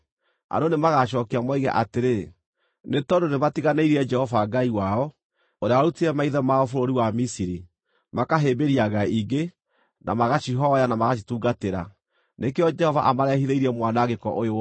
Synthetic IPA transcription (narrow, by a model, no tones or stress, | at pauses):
a̰donemaɣaʃ̬ɔkeamɔiɣɛ̰ʔateɾe | netɔdonematiɣaneiɾiɛd͡ʒɛhɔvaɡaiwaɔ | oɾeawaɾutiɾɛmaiðɛmaɔfoɾoɾiwamisiɾi | makaɦeːbeɾiaɣaiiɡe | nʔa̰maɣaʃiɦɔːjanamaɣaʃi̥tuːɡateɾa | nek̬eɔd͡ʒɛhɔva̰ʔamaɾɛhiðeiɾiɛmwanaɣekɔ̰ʔojo